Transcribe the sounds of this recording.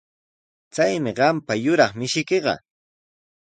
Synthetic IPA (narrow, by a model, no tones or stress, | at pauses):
t͡sajmɪɢɑmpajʊɾɑχmɪʃɪkeɢɑ̰